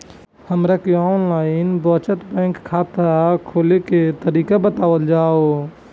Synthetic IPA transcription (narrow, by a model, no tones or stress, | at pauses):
həmɾakeɔnlaɪinbə̃t͡ʃət̪bə̃ŋkʰːat̪akʰoleket̪əɾikabət̪awəld͡ʒao